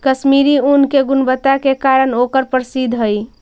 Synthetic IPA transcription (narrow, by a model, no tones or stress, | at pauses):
kəʃmiɾiunkeɡʊnbət̪akekaːɾənokəɾpəɾsid̪ʱɦəi